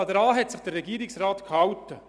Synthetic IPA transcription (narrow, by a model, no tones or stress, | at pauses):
ɑd̪ɾɑːɦɛtsɪχd̥ərːɛɡiːɾɪksrɑːt̪khɑwtə